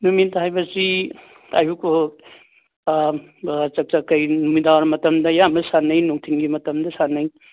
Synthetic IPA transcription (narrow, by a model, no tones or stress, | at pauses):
numint̪ʰɦajbɐsi | ajuko | t͡ʃɐk̚t͡ʃɐkɐjnumidawaɾmɐtɐmdɐjamɐsanːɐjnuŋtʰiŋɡimɐtɐmd̪ɐsanːɐj